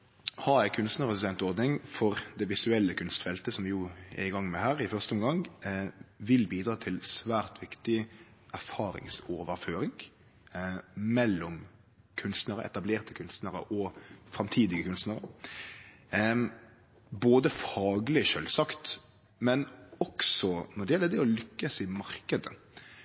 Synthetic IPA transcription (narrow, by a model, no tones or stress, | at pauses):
hɑɾæɪkʰʉnst̪nəɾəssɛnt̪ɔɾd̪nɪŋfɔɾd̪ɛʋɪsʉɛlːəkʰʉnst̪fɛlt̪əsɔmʋɪjuːjæ̰ɪɡɑŋːmɛhæːɾɪfœʁst̪əɔmɡɑŋ | ʋɪlbiːd̪ɾɑːt̪ʰɪlsʋæːɾt̪ʋɪkt̪ɪ | ʔæʁfɑːɾɪ̰ŋsoːʋəɾføːɾɪŋ | mɛlːɔm | kʰʉnst̪næɾəɛ̰t̪ɑbleːʁt̪əkʰʉnst̪næɾə̰ɔfɾɑmt̪ʰiːd̪ɪɡəkʰʉnst̪nəɾə | boːd̪əfɑːɡlɪʃøːlsɑkt̪ | mɛnɔksɔnɔd̪ɛjɛlːəd̪ɛɔlʏkːəsɪmɑɾkəd̪ə̰